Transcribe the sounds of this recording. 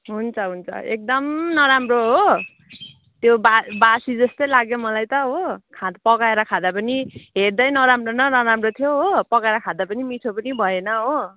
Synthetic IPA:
ɦunt͡sʰʌɦunt͡sʰʌ̰ek̚d̪ʌmnʌɾamroɦo | t̪jobabasid͡zʌst̪ʌjlaɡjomʌlajt̪ʌɦokʰad̪pʌkaeɾʌkʰad̪apʌniɦerd̪ʌjnʌɾamronʌɾʌɾamrot̪ʰjoɦopʌkaeɾʌkʰad̪apʌnimiʈʰopʌnibʱʌenʌɦo

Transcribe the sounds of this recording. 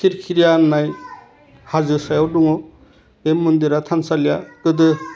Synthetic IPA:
kʰiɾkʰiɾijanːaj | hazɯsajawduŋɔ | emːɯnd̪iɾatʰansalijakɯdɯ

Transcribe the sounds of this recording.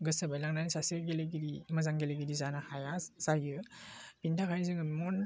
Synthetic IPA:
ɡɯsabajlaŋnanisaseɡeleɡiɾimɐzaŋɡelaɡidizanahajasajɯpintʰakʰajzɯŋɯmɔn

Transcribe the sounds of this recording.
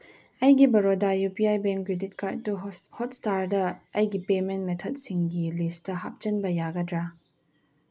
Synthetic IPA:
ʔɐjɡibɐɹɔdajupiajbɛmkɾɛdit̚katːuhɔtstaɾdɐʔɐjɡipemɛntmɛtʰɔt̚sɪŋɡilistɐha̰p̚t͡ʃɐnbɐjaɡɐdɾa

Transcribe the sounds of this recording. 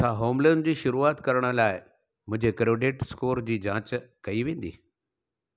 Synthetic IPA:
sʰaɦoːmlend͡ʑiːʃʊɾuaːt̪kɐɾəɽ̃ʊ̆laːɪ | mʊ̃ɦɪ̃ɲd͡ʑekɾoːɖeːʈskoːɾd͡ʑiːd͡ʑãːt͡ɕkɐiʋẽːn̆d̪ḭː

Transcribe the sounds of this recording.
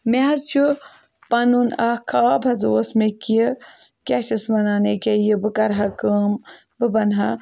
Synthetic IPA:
mezt͡ʃʰu | pɐnunɐkʰaːbʱɐzoːsmeki | kʲat͡ʃismɐnaːnekʲejibɨkɐɾɦɐkəm | bɨbɐnɦɐ

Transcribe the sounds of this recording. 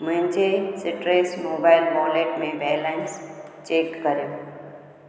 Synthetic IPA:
mʊ̃ɦɪ̃ɲd͡ʑesɪʈɾeːsmoːbaːɪlbɔːleːʈmẽbɛːlẽnst͡ɕeːkkɐɾijoː

